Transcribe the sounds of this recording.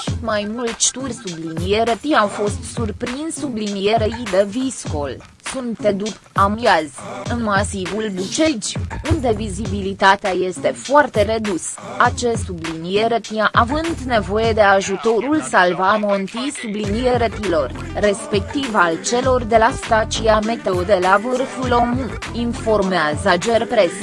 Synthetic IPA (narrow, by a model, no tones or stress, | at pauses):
t̪majmult̪ʃt̪urʲsublinijeɾət̪iawfo̞st̪surpɾinssublinijeɾeid̪evisko̞l | sunt̪ːe̞d̪up | amiazʲɨnmasivulbut͡ʃed͡ʒʲund̪e̞vizibilit̪at̪eaje̞st̪e̞foart̪e̞ɾe̞d̪us | at͡ʃessublinieɾət̪iaʔavɨnd̪ne̞vo̞je̞d̪e̞aʒut̪o̞ɾulsalvamont̪isubliniɾeɾət̪ilo̞rː | e̞spe̞k̚t̪ivalt͡ʃe̞lo̞rd̪e̞last̪at͡ʃiame̞t̪e̞od̪e̞lavɨrfulo̞mu | info̞rmeazəd͡ʒerpɾe̞s